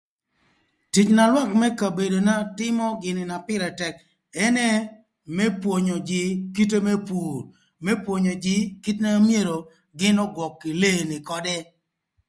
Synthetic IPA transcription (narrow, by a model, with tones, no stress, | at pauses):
ti˨t͡ʃna˨lwa˦kmɛ˦ka˨be˨do˨na˦tɪ˦mɔ˦ɡɪ˨nɪ˨na˨pɪ˦ɾɛ˨tɛ˨k | ɛ˦nɛ˦ | mɛ˦pwo˨ɲo˨d͡ʒɪ˨ki˦t̬e˦me˦pu˨ɾ | mɛ˦pwo˨ɲo˨d͡ʒɪ˦ki˦tna˦mje˦ɾo˨ | ɡɪ˦nɔ˦ɡwɔ˨kːɪ˨le˦˨nɪ˨kɔ˦dɛ˦